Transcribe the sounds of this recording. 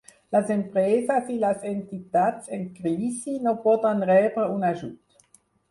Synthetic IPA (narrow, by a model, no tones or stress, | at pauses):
lasɛmpʁɛːzasilasɛntitaːt͡sɛnkʁiːsinɔbɔdanʁɛːʁəʊnaʒut